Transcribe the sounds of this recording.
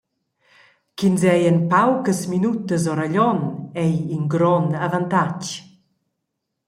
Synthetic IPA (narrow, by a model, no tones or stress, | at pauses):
kinzɛjənpawkəsminut̪əzɔɾaʎɔnɛjiŋɡɾɔnavant̪ac